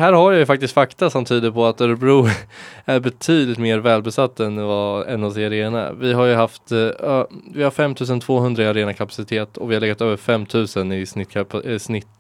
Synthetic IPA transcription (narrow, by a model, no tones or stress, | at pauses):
hæːɾhaɾjajɵfak̚t̪ɪst̪fakt̪asɔmt̪ʰyːd̪əɾpʰɔat̪œɾbɾuːæɾbɛt̪ʰyːd̪lɪt̪meːɾvɛːlbɛsat̪ːɛnvaɛ̰nːɔsɪaɾeːna̰vɪɦaɾjɵɦaft̪ː | vɪhaɾfɛmːt̪ʰʉ̟ːs̬ənt̪ʰv̥oːɦɵnd̪ɾaɪaɾeːnakʰapasɪt̪ʰeːt̪ɔvɪhaɾɭɛːɡat̪øːvəɾfɛmːt̪ʰʉ̟ːsənɪsnɪt̪snɪt̪ː